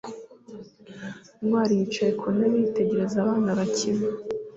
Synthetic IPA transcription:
nŋwaːɾijit͡ʃajekʰonaβite̞ɟe̞ɾe̞zaβaːnaβacima

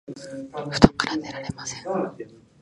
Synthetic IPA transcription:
ɸɯ̟t̪õŋkaɾane̞ɾaɾe̞masẽŋ

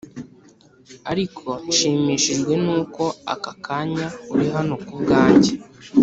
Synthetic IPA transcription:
aɾikʰo̞nʃiːmiːʃiʒɡwe̞nuːko̞a̰kakʰaɲauɾiɦano̞kubɡaːɲɟe

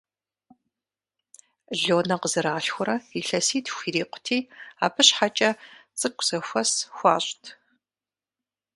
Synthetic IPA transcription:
ɮoːnɐqəzɨɾaːɬxʷʊɾɐiɬɐsiːtʰxʷiːɾiːqʷʊ̥tʰiːa̰ːbɨɕħat͡ʃʼɐt͡sʼɨkʷʼz̥ɐxʷɐsxʷɑ̰ːɕʼtʰ

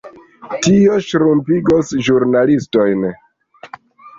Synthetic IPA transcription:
tio̞ʃɾumpiɡosʒuɾnalisto̞jn

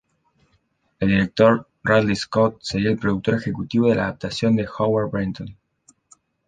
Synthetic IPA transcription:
eld̪iɾe̞k̚t̪o̞ɾ | raðliskot̪̚seɾielpɾo̞ðuk̚t̪o̞ɾexe̞kut̪iβo̞ðelaːðap̚t̪asjo̞nd̪e̞xawaɾbɾint̪on

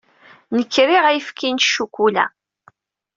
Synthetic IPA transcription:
nəkːɾiʁæjəfkint̪ʃːukʷulæ̰

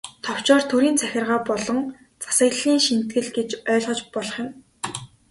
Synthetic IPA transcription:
t̪ʰɔw̥t͡ɕɔːrt̪ʰuɾiːnt͡sʰæxʲɪ̆rʁaːpɔɮɞ̆ŋ | t͡sḁsə̆ɣɮiːŋʃin̥t̪̚ɡɘ̆ɮɡet͡ɕœːɮʁɞ̆t͡ɕpɔɮɞ̆χjʊ̆m

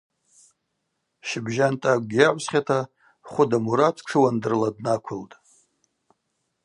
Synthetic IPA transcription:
ʃɪbʒantʼaɡ̚ʷʼɡʲjaʕʷsχʲatʰa | χʷʊdamuɾat͡sʰʼʈ͡ʂʰɨwandɨrladnakʷʰʊltʼ

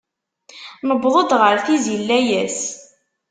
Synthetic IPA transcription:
nəbðˤod̪ˤʁəɾθizilːæjæs

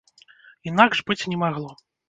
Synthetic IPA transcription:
inaɡʐbɨt͡sʲnʲɛmaɣlˠɔ

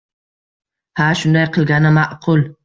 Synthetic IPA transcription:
haʃʊnd̪ajqʰɨlˠɡʲanɪmaʔqʰʊlˠ

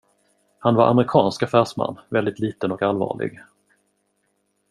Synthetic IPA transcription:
hanvaɾʔamɾɪkʰɑːnskafæːʂma̰nːvɛld̪ɪt̪liːt̪ənɔkalvɑ̰ːɭɪ̰ɡ

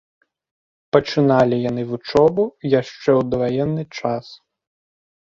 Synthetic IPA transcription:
pɐt͡ʂɨnalʲijan̪ɨvut͡ʂɔbujaʂt͡ʂɛwd̪vajɛnːɨt͡ʂas

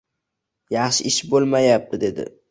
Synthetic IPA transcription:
jɑχʃɪɪʃbolˠmajap̚t̪ɪd̪e̞d̪ɪ̰

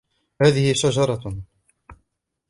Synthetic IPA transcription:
haːðɪhɪʃad͡ʒɑɾˤɑ

